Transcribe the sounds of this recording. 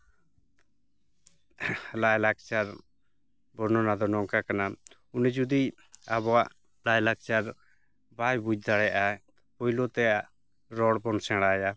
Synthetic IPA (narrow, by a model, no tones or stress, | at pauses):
lajlak̚t͡ʃaɾ | bɔnɔnad̪ɔnɔŋkakana | unɛd͡ʒud̪i | abɔaʔ | lajlak̚t͡ʃaɾ | bajbud͡ʒd̪aɽɛʔa | pɔilot̪ɛaʔ | ɾɔɽbɔnsɛ̃ɽaja